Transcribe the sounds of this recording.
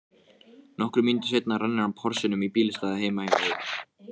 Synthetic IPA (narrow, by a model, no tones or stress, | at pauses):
nɔhkɾʏmint̪ɪ̥s̬ejt̪narɛnːɪɾampʰɔɾ̥sɪnʏmipiːlɪst̪aːðaheːjmahemaʏ